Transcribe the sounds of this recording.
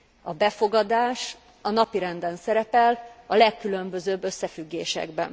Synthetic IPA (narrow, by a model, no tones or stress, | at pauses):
ɒbɛfo̞ɡɒd̪aːʃ | ɒnɒpiɾɛnd̪ɛnsɛɾɛpɛlɒlɛkːylømbø̞zøːbːø̞sːɛfyɡːḛːʃɛ̰ɡbɛ̰n